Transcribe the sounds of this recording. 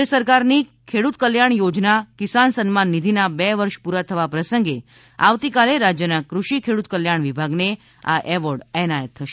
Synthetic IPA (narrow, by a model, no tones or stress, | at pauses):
əsəɾkaɾnikʰeɽut̪kəljaɳjod͡ʒnakisansənmanːid̪ʱinabɛʋəɾʃpuɾat̪ʰəʋapɾəsəŋɡe | a̰ʋt̪ikaleɾad͡ʒjənakɾuʃikʰeɽut̪kəljaɳʋibʱaɡne | a̰ʔɛʋəɾɽɛnajət̪ʰːəʃe